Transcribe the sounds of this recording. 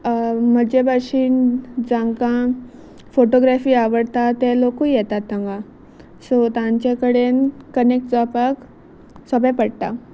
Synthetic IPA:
m̤əd͡ʑebʱaɕiːnd͡zãŋkã | foʈoɡɾafiːaʋəɽt̪at̪elokujɛt̪at̪ːə̃ŋɡa | sot̪ãɲt͡ɕekəɽenkənek̚ʈd͡zapak | səbɛ̃pəɽt̪a

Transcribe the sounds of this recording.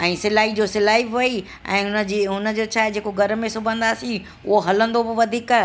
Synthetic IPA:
ɛ̃ːsɪlaːɦid͡ʑoːsɪlaːiɐi | ɛ̰̃ːʊnəd͡ʑiːʊnə̆d͡ʑoːt͡ɕʰaːɦɪd͡ʑeːkoɡʱɐɾmẽsʊbʱə̃nd̪aːsĩ | ʊ̰ɦoɦɐlə̃nd̪obɪʋɐd̪ʱiːka

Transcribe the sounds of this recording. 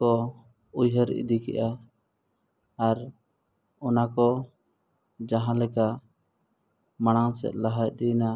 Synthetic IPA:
ɔ | ujɦəɾḭd̪ikɛ̰ʔa | ɾ | ɔnakɔ | d͡ʒaɦãlɛka | maɽ̃aŋsɛ̰t̪̚laɦaj̚d̪ina

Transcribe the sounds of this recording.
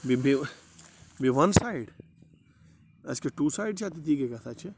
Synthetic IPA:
bibi | biʋɐnsaːɪɖ | ɐ̰skeʈuːsaːɪɖt͡ʃʰat̪̬it̪iːkekɐt̪ʰat͡ʃʰi

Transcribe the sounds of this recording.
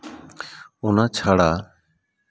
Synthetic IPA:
ɔnat͡ʃʰaɽa

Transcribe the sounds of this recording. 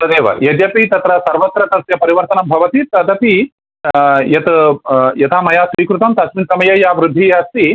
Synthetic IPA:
ɐd̪eːʋɐ̰jɐd̪jɐpit̪ɐt̪ɾɐsɐɾʋɐt̪ɾɐt̪ɐsjɐpɐɾiʋɐɾt̪ɐnɐmbʱɐʋɐt̪it̪ɐd̪ɐpi | jɐt̪jɐt̪ʰaːmɐjaːsɾiːkɾut̪ɐmt̪ɐsminsɐmɐjɐjaːʋɾɪd̪ʱːijaːst̪i

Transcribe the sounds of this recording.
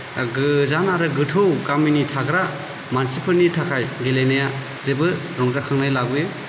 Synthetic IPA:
ɡɯzanaɾɯɡɯtʰɯwkaminitʰakɾa | mansipʰɯɾnitʰakʰajɡelenaja | zebɯ | ɾɔŋzakʰaŋnajlaɡɯjɯ

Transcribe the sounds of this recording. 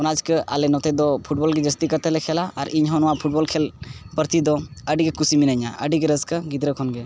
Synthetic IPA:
ɔnad͡ʒkəʔa̰lɛnɔt̪ɛd̪ɔpʰuʈ̚bɔlɡɛd͡ʒəst̪ikəɾt̪ɛlɛkʰɛlaaɾiɲɦɔnwapʰuʈ̚bɔlkʰɛlpəɾt̪id̪ɔəɖiɡekusiminəɲa̰ʔə̰ɖiɡeɾəskəɡid̪ɾəkʰɔnɡɛ

